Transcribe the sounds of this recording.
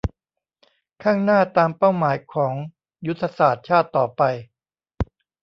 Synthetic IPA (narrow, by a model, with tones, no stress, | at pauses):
kʰaː˥˩ŋnaː˥˩t̪aː˧mpa˥˩wmaː˩˦jkʰɔː˩˦ŋ | ju˦˥t̪ʰːa˧saː˨˩t̪̚t͡ɕʰaː˥˩t̪ːɔː˨˩pa˧j